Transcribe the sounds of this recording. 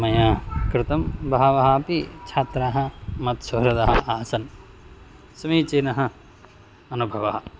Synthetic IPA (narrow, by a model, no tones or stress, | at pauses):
mɐjakɾɪt̪ɐmbʱɐɦɐʋɐɦɐpit͡ʃʰaːt̪ɾaːɦɐ̆mɐt̪sɐːɾɐd̪ɐɦɐaːsɐn | sɐmiːt͡ʃeːnɐɦɐ̆ | ɐnubʱɐʋɐɦɐ